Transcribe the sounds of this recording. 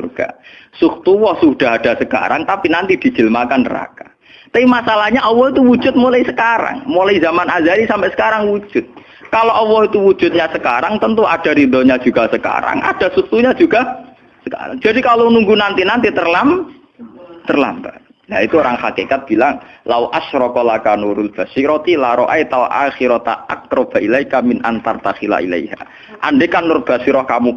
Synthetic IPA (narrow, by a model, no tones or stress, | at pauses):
urɡ̥a̰ | sukt̪uwɔhsuɖ̥a̤ɦad̥a̤səka̰ɾaŋt̪apinant̪id̥i̤d͡ʒ̥ə̤lmakanəɾa̰ka | t̪aimasalahɲaʔɔwɔhit̪uwu̥d͡ʒʊt̪̚molaisəkaɾa̰ŋmolaizamanazaɾisampɛʔsə̥kaɾaŋwu̥d͡ʒ̥ʊt̪̚ | kaloʔɔwɔhit̪uwud͡ʒ̥ʊt̪̚ɲasəka̰ɾaŋt̪ənt̪uad̥aɾid̪ɔɲad͡ʒ̥uɡasəka̰ɾa̰ŋʔa̰d̥a̤suk̚t̪uɲad͡ʒuɡa | səka̰ɾa̰ŋd͡ʒadikalonuŋɡunant̪inant̪it̪ərlam | t̪ərla̰mba | jait̪uoɾaŋxakikat̪̚b̥ilaŋlawʔaʃɾɔkɔlakanuɾʊlb̥asiɾɔt̪ilaɾɔʔajt̪awʔa̰xiɾɔt̪a̰ʔa̰k̚ɾɔb̥aʔilajkamɪnʔant̪art̪axila̰ʔḭlḛjha̰ | ʔa̰nɖekanʊrb̥asiɾɔhkamu